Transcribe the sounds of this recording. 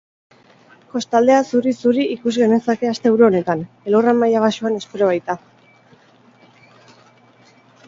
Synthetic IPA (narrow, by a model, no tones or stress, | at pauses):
ko̞st̪ald̪e̞asuɾisuɾiikuzɣe̞nesake̞ast̪e̞ewɾuo̞ne̞t̪an | e̞loramajaβ̞aʃuane̞spe̞ɾo̞β̞ajt̪a